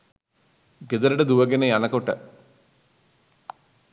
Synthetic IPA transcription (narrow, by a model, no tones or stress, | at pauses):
ɡed̪ɐɾɐɖed̪uʋɐɡenejɐnɐkoʈːɐ